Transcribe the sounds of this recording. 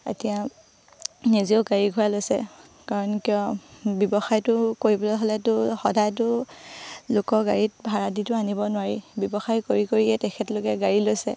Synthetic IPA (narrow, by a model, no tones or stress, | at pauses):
ḛtija | nizioʊɡaɹiɡʱʊjalojsɛ̰ | kaɹɔnkijɔbɔbɔxajtʊkoɹibɔlɛɦɔlɛtʊxɔdajtʊ | lʊkɔɡaɹit̚bʱaɹaditʊanibɔnʊwaɹibjɔbɔxajkoɹikoɹiɛtɛkʰɛtlʊkɛɡaɹilojsɛ̰